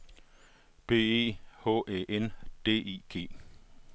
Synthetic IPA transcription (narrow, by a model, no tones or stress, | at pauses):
b̥e̝̰ːe̝̰ːho̰ːʔeːʔend̥e̝̰ːḭːɡ̥e̝̰ː